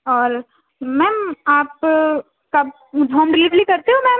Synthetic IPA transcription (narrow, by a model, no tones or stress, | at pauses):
ɔːɾ | mɛ̃ːaːp | ka | dʱɔ̃ːmɾɪliːʋlikɐɾt̪eɦũmɛ̃ː